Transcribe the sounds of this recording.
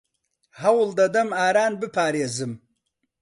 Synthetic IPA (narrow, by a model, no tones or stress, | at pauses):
hɐwld̪ɐd̪ɐmaːɾaːnbɨpʰaːɾeːzɨm